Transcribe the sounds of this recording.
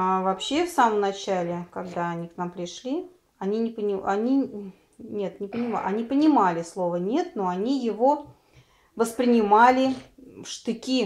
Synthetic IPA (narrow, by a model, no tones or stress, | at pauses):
avɐpɕːe̞fsaməmnɐt͡ɕælʲɪkɐɡd̪aɐnʲiknampɾʲɪʂlʲi | ɐnʲinʲɪpənʲɪanʲi | nʲe̞t̪nʲɪpənʲɪma̰ʔɐ̰nʲipənʲɪmalʲɪslˠo̞vənʲe̞t̪̚noɐnʲijɪvo | vəspɾʲɪnʲɪmalʲɪfʂt̪ɨkʲi